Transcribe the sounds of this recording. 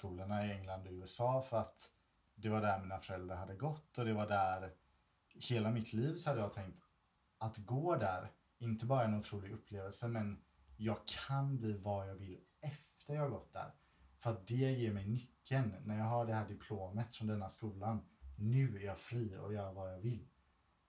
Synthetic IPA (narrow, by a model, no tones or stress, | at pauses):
skuːlaɳaɪɛŋland̪ɔʉ̟ːɛsɑːfœɾat̪ | d̪ɛvaɖæɾmiːnafœɾɛld̪ɾaɾhad̪ːəɡɔt̪ːɔd̪ɛvaɖæɾ | heːlamɪt̪ʰliːvsɔhad̪ːəjɑːɡt̪ʰɛŋk̚t̪ | at̪ɡoːd̪æɾ | ɪnt̪əbɑːɾaɛnʊt̪ʰɾuːlɪɡɵpːleːvəlsəmɛn | jɑːɡ̚kʰanbliːvɑjɑːɡvɪlː | ɛft̪əɾjɑːhaɡɔt̪̚ːd̪æ̰ːɾ | fœɾat̪̚d̪ɛjeːɾmɛjnʏkʰːənːæɾjɑːɡɦaɖɛhæːɖɪpʰloːmət̪fɾɔnd̪ɛnːaskuːlannʉ̟ːæɾjɑːfɾiːɔ̰jœːɾavajɑːɡvɪlː